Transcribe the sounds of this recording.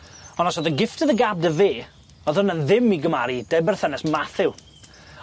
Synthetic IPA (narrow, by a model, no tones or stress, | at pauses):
ɔnɔsɔðəɡɪftəðəɡab̚dəveː | ɔðʊnənðɪmiɡəmaɾid̥ejbərθɛnɛsmaθɪw